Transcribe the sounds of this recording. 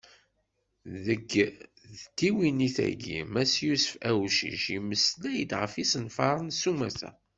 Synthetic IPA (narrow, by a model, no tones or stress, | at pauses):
ðəɡ | ðt̪ːiwiniθæ̰ɡḭmæsjusə̥fæwʃḭʃiməslæjəd̪ʁəfisənfɑɾˤənsumæθæ̰